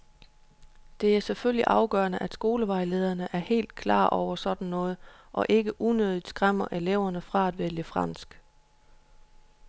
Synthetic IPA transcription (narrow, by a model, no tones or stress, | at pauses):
d̥e̝æɐseføl̰iʔɑ̈ʊɡ̥ɶɐnəʔæd̥sɡ̥o̝ːləʋɑ̈ɪle̝ːð̞ˠɐnəʔæɐhe̝̰ːld̥̚kʰlɑ̰̈ːʔɒʊ̰ɐsɒ̽d̥n̩nɔ̽ːð̞̩ˠʔɒ̽ʔe̝ɡ̥əʔunøð̞ˠid̥sɡ̥ʁam̰ɐʔeleʊ̰ɐnəfʁɑ̈æd̥ʋeljəfʁɑ̈n̰sɡ̥